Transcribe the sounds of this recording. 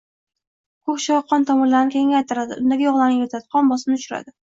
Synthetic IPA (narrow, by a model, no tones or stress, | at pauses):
kʰʊχʃɒqʰːɒnt̪ʰɒmʊɾlaɾnɪkʰʲeŋʲajt̪ʰɪɾad̪ɪ̰ʊnd̪aɡʲajɒʁlˠaɾnɪŋjeɾt̪ʰat̪qʰɒnbɒsɪmnɪʊt͡ʃʊɾa̰d̪ɪ